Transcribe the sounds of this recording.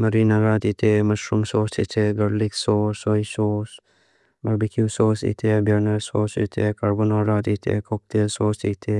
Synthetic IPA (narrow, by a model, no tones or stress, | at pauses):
mɐɾinaɾaːt̪it̪ʰemɐʃɾumsoːsḭt̪ʰeɡɐɽliksoːsoisoːs | mɐɾbikusoːsḭt̪ʰebɐɾnɐɾsoːsḭt̪ʰekɐɾbonaɾaːt̪it̪ʰḛkok̚t̪esoːsit̪ʰe